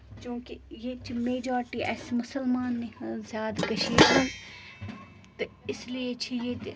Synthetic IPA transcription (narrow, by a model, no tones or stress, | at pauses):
t͡ʃõːkijet͡ʃʰimeːd͡ʒaːɾʈiʔɛsmʊsəlmaːnːizjaːd̪kɐʃiːd̪ɐn | t̪ɐ | ɪsliet͡ʃʰije